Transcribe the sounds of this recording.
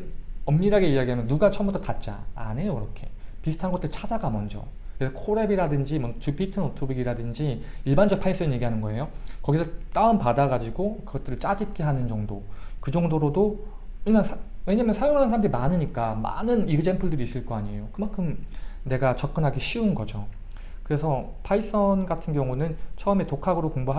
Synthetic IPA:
ʌmːiɾaɡe̞iaɡiɦamjʌnːuɡat͡ɕʰʌmbutʰʌtat̚t͡ɕ͈a̰ːnejoiɾʌkʰe̞pisʰɯ̥tʰanɡʌt͈ɯɾt͡ɕʰad͡ʑaɡamʌnd͡ʑʌ̰ | kesʰʌkʰoɾe̞biɾadɯnd͡ʑimʌt͡ɕupʰitʰɯnotʰobiɡiɾadɯnd͡ʑi | iɭband͡ʑʌk̚pʰains͈ɯʌnɲje̞ɡiɦanɯnɡʌe̞jokʌɡisʰʌt͈aɯnpadaɡad͡ʑiɡokɯɡʌt͈ɯɾɯɭt͡ɕ͈ad͡ʑip̚k͈e̞ɦanɯnd͡ʑʌŋdokɯd͡ʑʌŋdoɾodo | weansʰwe̞ɲaːmjʌnsʰajoŋɦansʰɾamdeɾimanɯɲik͈ama̰nɯniɡɯd͡ʑe̞mpʰɯɭdɯɾiːs͈ɯɭk͈ʌaɲejokɯmankʰɯmne̞ɡat͡ɕʌp̚k͈ɯnɦaɡiɕʰiunɡʌd͡ʑo | kɯɾe̞sʰʌ | pʰais͈ʌnɡatʰɯnɡjʌŋunɯnt͡ɕʰʌɯmetokʰaɡɯɾokoŋboɦa

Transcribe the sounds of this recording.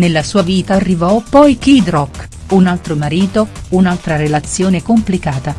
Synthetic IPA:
nelːasuːaviːt̪arːivɔpɔjkid̪ɾɔkː | unalt̪ɾomaɾiːt̪ounalt̪ɾaɾelat̪sːjoːnekomplikaːt̪a

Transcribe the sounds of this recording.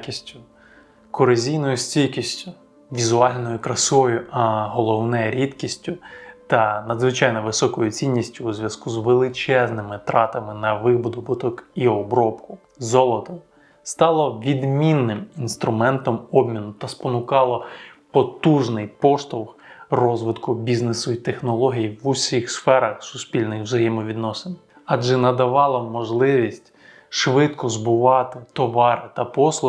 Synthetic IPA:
kʲisʲtʲʊ | kɔɾɐzʲijnɔjʊsʲt͡sʲilkʲisʲtʲʊ | ʋʲizʊɑlʲnɔjʊkɾɐsɔjʊɐɦɔlˠɔwnɛɾʲid̪kʲisʲtʲʊt̪ɐnɐd̪zʋɪt͡ʃɑjnɔʋɪsɔkɔjʊt͡sʲinʲːisʲtʲʊːzʲʋʲjɐskuzʋelˠɪt͡ʃɛznɪmɪt̪ɾɑt̪ɐmɪnɐʋɪbʊd̪ʊbʊt̪ɔkiɔbɾɔpkʊ | zɔlˠɔt̪ɔ | st̪ɑlˠɔʋʲid̪mʲinːɪminst̪ɾʊmɛnt̪ɔmɔbmʲinʊt̪ɐspɔnʊkɑlˠɔpɔt̪uʒnɪjpɔʃt̪ɔwxrɔzʋɪt̪kʊbʲiznesʊit̪exnɔlˠɔɦʲijiʋʊsʲixsfɛɾɐxsʊspʲilʲnɪxwzɐjɛmɔʋʲid̪nɔsen | ɑd͡ʒɛnɐd̪ɐʋɑlˠɔmɔʒlˠɪʋʲisʲtʲ | ʃʋɪt̪kɔzbʊʋɑt̪ɪt̪ɔʋɑɾɪt̪ɐpɔslˠ

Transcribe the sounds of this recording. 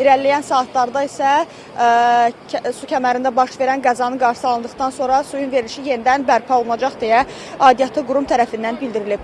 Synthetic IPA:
iɾællːijænsɑːt̪ʰlˠɑɾd̪ɑisæ | sucʰæmæɾind̪æbɑʃve̞ɾænɡæzɑnɯɡɑɾʃsɯɑlˠɯnd̪ɯχt̪ɑnso̞nɾɑsujunve̞ɾliʃije̞nid̪ænbæɾpʰɑolˠunɑd͡ʒɑχd̪ejæ | ɑːd̪ijɑt̪ʰˠɯɡuɾumt̪ʰæɾæfind̪ænbild̪iɾilib̥

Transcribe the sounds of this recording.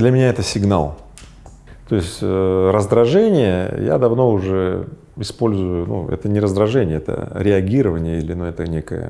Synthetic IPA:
d̪lʲəmʲɪnʲaɛt̪əsʲɪɡna̰lˠ | t̪o̞ɪsʲtʲəɾəzd̪ɾɐʐɛnʲɪjəja̰d̪ɐvno̞ʊʐɛ | ɪspo̞lʲzʊjʊnṵɛ̰t̪ənʲɪɾəzd̪ɾɐʐɛnʲɪjəɛt̪ə̰ɾʲɪɐɡʲiɾəvənʲɪjəilʲɪnuɛt̪ənʲekə̰jə̰

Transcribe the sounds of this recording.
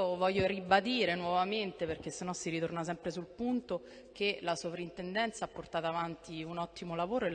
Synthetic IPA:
ovɔʎːoɾibad̪iːɾenwɔvament̪eperk̟esːenːɔsːiɾit̪ornas̬ɛmpɾesulpunt̪o | k̟elasovɾaint̪ɛnd̪ɛnt̪saapːort̪aːt̪aːvant̪iunɔt̪ːimolavoːɾoel

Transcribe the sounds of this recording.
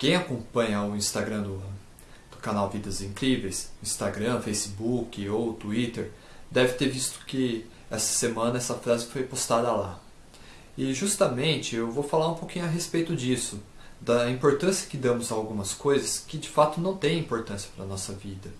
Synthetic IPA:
kẽj̃akõpɐ̃ɲɐʊĩst̪aɡɾɐ̃d̪ʊ | d̪̥ʊkanawvid̪ɐzĩŋkɾivejsĩst̪aɡɾɐ̃fejsɪbukɪowt̪uit̪eɾ | d̪ɛvɪt̪eɾvist̪ʊ̥kɪ | ɛsɐ̥semɐ̃nɐɛsɐfɾazɪfojpost̪ad̪ɐla | ɪʒust̪ɐmẽnt͡ʃɪewvofalaɾũpokĩɲʊɐɦespejt̪ʊd͡ʒisʊ | d̪ɐĩmpoɾt̪ɐ̃siɐkɪd̪ɐ̃mʊzaawɡũmɐskojzɐskɪd͡ʒɪfat̪ʊnɐ̃w̃t̪ẽj̃ĩpoɾt̪ɐ̃siɐ̥pɾɐnɔsɐvid̪ɐ

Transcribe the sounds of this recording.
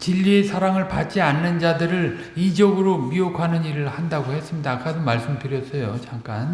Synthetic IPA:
t͡ɕiʎːie̞sʰaɾaŋɯɭpat͡ɕ͈ianːɯnd͡ʑadɯɾɯɭ | id͡ʑʌɡɯɾomiokʰanɯniɾɯɭhandaɡohe̞s͈ɯmɲidak͈adomaɭs͈ɯmtɯɾjʌs͈ʰʌjot͡ɕaŋk͈an

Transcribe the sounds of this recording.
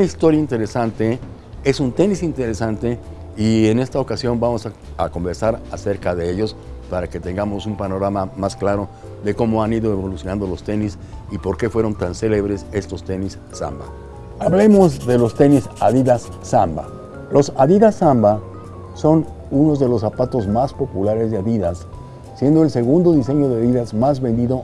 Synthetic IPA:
unaist̪o̞ɾjaint̪e̞ɾe̞sant̪e̞ | e̞sunt̪e̞nisint̪e̞ɾe̞sant̪e̞ | iene̞st̪aokasjo̞nbamo̞saako̞mbe̞ɾsaɾase̞ɾkaðe̞eʝo̞s | paɾake̞t̪eŋɡamo̞sumpano̞ɾamamasklaɾo̞ | ðe̞ko̞mo̞aniðo̞eβo̞lusjo̞nãnd̪o̞lo̞st̪e̞nis | ipo̞ɾke̞fwe̞ɾo̞nt̪anseleβɾe̞se̞st̪o̞st̪e̞nisːa̰mba̰ | aβle̞mo̞zðe̞lo̞st̪e̞nisaðiðasːamba̰ | lo̞saðiðasːamba | so̞n | uno̞zðe̞lo̞sapat̪o̞zmaspo̞pulaɾezðeaðiðasː | je̞nd̪oelse̞ɣund̪o̞ðis̬e̞ɲo̞ðeaðiðazmazβe̞nd̪iðo̞

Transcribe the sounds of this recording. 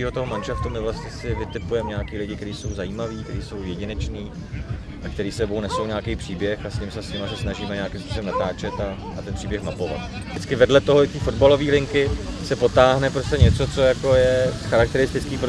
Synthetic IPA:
iːɦo̞t̪oɦo̞manʃaft̪umɪvlasɲɛsɪvɪt̪ɪpujɛmɲaakiːlɪɟɪkt̪ɛɾiːso̞wzajiːmaviːkt̪ɛ̰ɾiːso̞wjɛɟɪnɛt͡ʃniː | ʔak̚t̪ɛɾiːsɛbownɛso̞wɲaːkejpr̥iːbjɛxasɲɪmsɛsɲɪmasɛsnaʒiːmɛɲaakɪmspusobɛmnat̪aːt͡ʃɛt̪a | at̪ɛnpr̥iːbjɛxmapo̞va̰t̪ | ɪt͡skɪvɛdlɛt̪o̞ɦoɪt̪iːfo̞dbalo̞viːlɪŋkɪsɛpo̞t̪aːɦnɛpɾo̞scɛɲɛt͡so̞t͡so̞jako̞jɛxaɾakt̪ɛɾɪst̪ɪt͡skiːpɾo

